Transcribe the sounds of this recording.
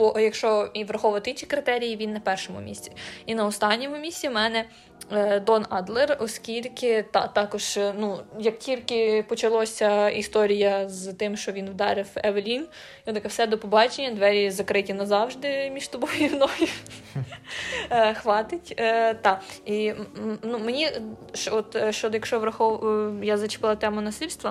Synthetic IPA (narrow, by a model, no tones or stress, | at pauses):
bɔjɐkʃt͡ʃɔiʋɾɐxɔʋɐt̪ɪinʲt͡ʃikɾɪt̪ɛɾʲijiʋʲinːɐpɛrʃɔmʊ̰mʲḭsʲt͡sʲi̥inɐɔst̪ɑnʲːɔmʊmʲisʲt͡sʲimɛnɛ | d̪ɔnɑd̪lˠɛrɔskʲilʲkɪt̪ɑt̪ɑkɔʒ̥nujɐk̚tʲilʲkɪpɔt͡ʃɐlˠɔsʲɐist̪ɔɾʲijɐzt̪ɪmʃt͡ʃɔʋʲinʋd̪ɑ̰ɾɪwɛʋelʲin | ɔɐkɛwsɛd̪ɔpɔbɑt͡ʃenʲːɐd̪ʋɛɾʲizɐkɾɪtʲinɐzɑwʒd̪ɪmʲiʃt̪ɔbɔjʲiwnɔjʊ | xʋɑt̪ɪtʲːt̪ɑinumenʲiʃɔt̪ʃt͡ʃɔd̪jɐkʃt͡ʃɔʋɾɐxɔʋjazɐt͡ʃɪ̥pɪlˠɐt̪ɛmʊnɐsilʲst̪ʋɐ